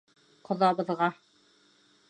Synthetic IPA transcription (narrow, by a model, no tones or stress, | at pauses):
qŏðɑβɤ̆ðʁɑ